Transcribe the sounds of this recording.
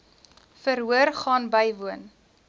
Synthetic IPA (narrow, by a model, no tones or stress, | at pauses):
fəɾɦuərχɑːnbəjvuən